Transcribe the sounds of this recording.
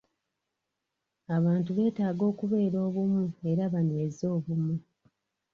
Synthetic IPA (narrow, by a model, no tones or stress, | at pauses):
aβaːntuβe̞ːtaːɡo̞ːkuβe̞ːɾo̞ːβumue̞ɾaβanezo̞ːβumu